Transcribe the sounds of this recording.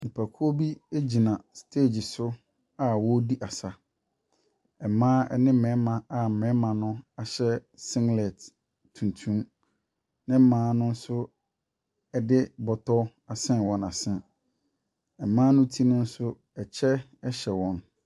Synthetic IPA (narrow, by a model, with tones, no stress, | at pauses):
mĩ˨pʰæ˨kʰu˦o˦bi˦e˦d͡ʑi˨nã˨stʰe˦˨d͡ʑi˨sʊ˦ | a˨wɔ˦di˦ʔa˨sa˦ | ɛ˨mãː˦ɛ˦nɪ̃˦m̩˦˨mɛ̃˨˦mã˨a˨m̩˨mɛ̃˨˦mã˨nʊ̃˦a˨ɕɛ˦sɪ̃˦ŋlɛ˨t | tʰũ˨ntʰũ˦m | nɪ̃˦m̩˦mãː˦nʊ̃˦n̩˦sʊ˦ | ɛ˨dɪ˦bɔ˨tʰɔ˦ | a˨sɪ̃˦nwɔ̃˨na˨sɛ̃˨ | ɛ˨mãː˦nʊ̃˦tʰi˦nʊ̃˦n̩˦sʊ˦ | ɛ˨t͡ɕʰɛ˦ | ɛ˦ɕɛ˨wɔ̃˨n